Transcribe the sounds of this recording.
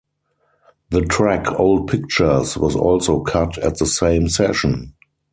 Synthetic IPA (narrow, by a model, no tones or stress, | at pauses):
ðətʰɹækʰoʊld̚pʰɪk̚t͡ʃə˞swɔzɔ̰lsoʊkʰatʰæ̰tðəsẽɪ̃msɛʃə̃n